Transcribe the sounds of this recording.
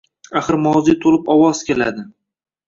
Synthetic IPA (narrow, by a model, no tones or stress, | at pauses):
aχɨɾmɒwzit̪ʰolɪpɒwɒz̥kʲela̰d̪ɪ